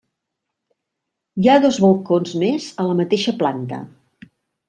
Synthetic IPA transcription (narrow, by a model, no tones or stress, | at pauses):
jaðozβolˠkonzmezələmət̪eʃəplant̪ə̰